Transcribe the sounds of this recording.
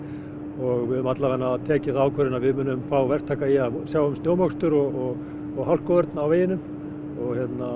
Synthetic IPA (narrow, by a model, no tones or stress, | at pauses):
ɔɣvɪðʏmat̪lavɛnːat̪ʰɛːcɪsθaːwkʰœɾɪnaðvɪðmʏːnʏmfaːwvɛr̥t̪ʰaːkaiasjaːwʏmst̪joːwmɔkst̪ʏɾɔɣɔɣ | ɔɣɦawl̥kɔvœɾt̪nawveːjɪnʏm | ɔɣçjɛt̪na